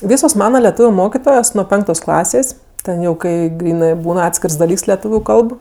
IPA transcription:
ˈʋʲiːsoːs ˈmɑːnɐ lʲɛˈtuːʋʲʊ ˈmoːkʲɪtoːjoːs nuɔ ˈpʲɛŋktoːs ˈklˠɑːsʲeːsʲ ˈtʲɛn jɛʊ ˈkɐɪ ˈɡrʲiːnɜ ˈbuːn ˈɑːtʲsʲkʲɪrs dɐˈlʲiːks lʲɛˈtuːʋʲʊ ˈkɐlˠp

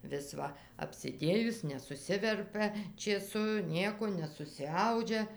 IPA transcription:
ʋʲɪs ˈʋɐ ɐpʲsʲɪˈdʲeːjʊs nʲɛsʊˈsʲɪʋʲɛrʲpʲɛ t͡ʃʲeːˈsʊ ˈnʲiɛkoː nʲɛsʊsʲɪˈɐʊd͡ʒʲɛ

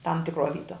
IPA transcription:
tɐm tʲɪkˈruɔ ˈʋʲiːtuɔ

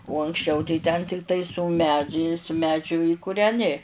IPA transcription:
ʊ ɐŋksʲˈt͡ʃʲɛʊ tɐɪ tʲɛn tʲɪkˈtɐɪ sʊ ˈmʲæːd͡ʒʲɛɪs ˈmʲæːd͡ʒʲʊ ɪ kʊrʲɛˈnʲɪ

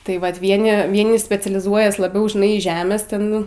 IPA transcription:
tɐɪ ˈʋɐt ˈʋʲiɛnʲɪ ˈʋʲiɛnʲɪ sʲpʲɛt͡sʲɛlʲɪˈzuɔjɛs lˠɐˈbʲɛʊ ʒʲɪˈnɐɪ iːˈʒʲæːmʲeːs ˈtʲɛn

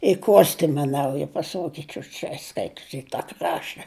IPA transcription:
ɪ ˈkoːsʲtʲɪmɐ ˈnɐʊjɛ pɐˈsoːɡʲɪt͡ʃʲʊ t͡ʃʲɛ ˈskɐɪtʊs ɪ tɐ ˈkrɑːʃtɐ

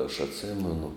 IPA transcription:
ɐʃ ɐtʲˈsʲeːmʲɛnʊ

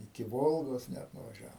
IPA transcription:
ɪkʲɪ ˈʋoːlˠɡoːs ˈnʲæt nʊʋɐˈʒʲæːʋoːm

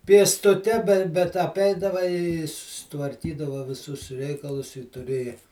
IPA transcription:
pʲiɛstʊˈtʲɛ bʲɛ bʲɛt ɐˈpʲɛɪdɐʋɐ ɪ sʊsʲɪtʋɐrʲˈkʲiːdɐʋɐ ʋʲɪˈsʊs ˈrʲɛɪkɐlˠʊs ɪ tʊˈrʲeːjɛ

